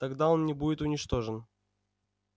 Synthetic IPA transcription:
t̪ɐɡd̪ao̞nnʲɪbudʲɪt̪ʊnʲɪt͡ʃt̪o̞ʐɨn

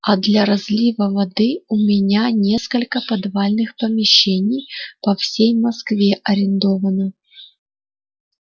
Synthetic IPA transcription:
ɐd̪lʲɐɾɐzʲlʲivəvɐd̪ɨʊmʲɪnʲanʲe̞skəlʲkəpɐd̪valʲnɨxpəmʲɪɕːenʲɪjpɐfsʲejmɐskvʲeʔɐɾʲɪnd̪ovənə

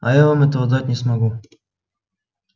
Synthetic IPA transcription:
ajavamɛt̪əvɐd̪atʲnʲɪsmɐɡu

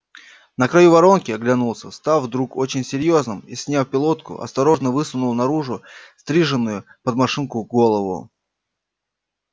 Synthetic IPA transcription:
nəkɾɐjuvɐɾo̞nkʲɪɐɡlʲɐnulˠsʲəst̪avvd̪ɾuko̞t͡ɕɪnʲsʲɪɾʲjo̞znɨmisʲnʲafpʲɪlˠo̞t̪kʊ̰ʔɐ̰st̪ɐɾo̞ʐnəvɨsʊnʊlˠnɐɾuʐʊst̪ɾʲiʐɨnːʊjʊpəd̪mɐʂɨnkʊɡo̞lˠəvʊ̰

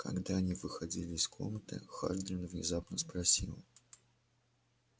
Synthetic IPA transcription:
kʰɐ̰ɡd̪aɐnʲivɨxɐdʲilʲɪːskʰo̰mət̪ɨ̰xa̰ʐd̪ɾʲɪnəvnʲɪ̰zapnəspɾɐsʲilˠ

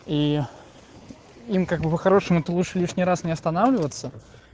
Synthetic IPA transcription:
i | imkaɡ̚bɨpəxaɾo̞ʂɨmʊɛt̪əlˠuʂlʲiʂnʲijɾasnʲɪɐst̪ɐnavlʲɪvət̪sːə

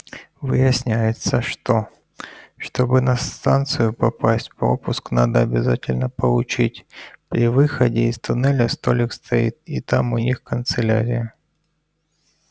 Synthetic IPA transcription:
vɨjɪsʲnʲæjɪt̪səʂt̪o | ʂt̪o̞bɨnɐst̪ant̪sɨjʊpɐpasʲtʲpɾo̞pʊsknad̪əːbʲɪzatʲɪlʲnəpəlˠʊt͡ɕitʲpɾʲɪvɨxədʲɪɪst̪ʊnɛlʲəst̪olʲɪkst̪ʰɐit̪̚it̪amʊnʲixkənt̪sɨlʲaɾʲɪjə

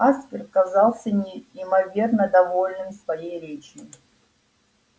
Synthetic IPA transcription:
aspʲɪrkɐzalˠsʲənʲɪimɐvʲernəd̪ɐvo̞lʲnɨmsvɐjejɾʲet͡ɕɪ

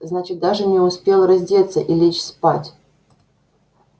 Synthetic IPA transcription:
znat͡ɕɪt̪̚d̪aʐɨnʲɪʊspʲelˠrɐzʲdʲet̪sːəʔilʲet͡ɕspatʲ

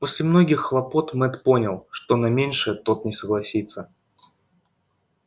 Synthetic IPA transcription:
po̞sʲlʲɪmno̞ɡʲɪxːlˠɐpo̞t̪mɛt̪po̞nʲɪlˠʂt̪onɐmʲenʲʂɨt̪o̞t̪nʲɪsəɡlˠɐsʲit̪sːə

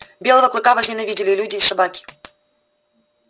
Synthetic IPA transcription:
bʲe̞lˠəvəklˠɨkavɐʐnʲɪnɐvʲidʲɪlʲɪlʲudʲɪːssɐbakʲɪ̥

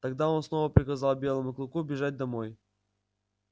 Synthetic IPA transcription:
t̪ɐɡd̪ao̞nsno̞vəpɾʲɪkɐzalˠbʲe̞lˠəmʊklˠʊkubʲɪʐat̚ʲd̪ɐmoj

